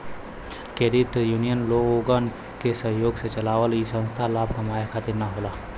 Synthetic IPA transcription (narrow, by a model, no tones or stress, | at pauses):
keɾɪt̪juːnijənloːoːɡən | kesəɦjoːɡset͡ʃɐlaːʋəlisə̃nst̪ʰalaːbkɐmaːjakʰaːt̪ɪɾnaɦoːlaː